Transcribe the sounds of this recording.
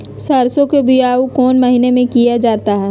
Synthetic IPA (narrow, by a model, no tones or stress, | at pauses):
sɐɾsõkebʱiaːukɔːnmɐɦinemẽkijad͡ʒaːt̪aɦɛː